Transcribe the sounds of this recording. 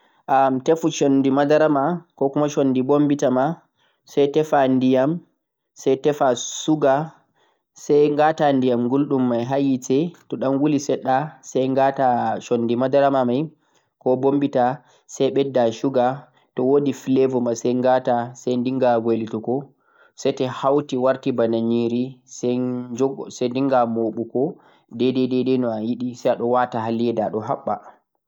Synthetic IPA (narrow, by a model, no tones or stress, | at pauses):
ʔamtefut͡ʃondimadaɾamakɔkumaʃonːdibombitama | sajtɛfandijam | sajtɛfasuɡa | sajŋɡatandijamɡulɗumːajɦajitɛtɔɗanwulisɛɗːasajŋɡataʃonːdimadaɾamamaj | kɔbombita | sajɓɛdːaʃuɡa | tɔwodifilevɔmasɛjŋɡatasajndiŋɡaɡelitukɔ | sɛjtɛhawtiwaɾtibanaɲiɾisɛd͡ʒɔsandiŋɡamoɓukɔ | dɛdɛdɛdɛnɔajiɗisajaɗɔwatahalːiɛdaɗɔɦaɓːa̰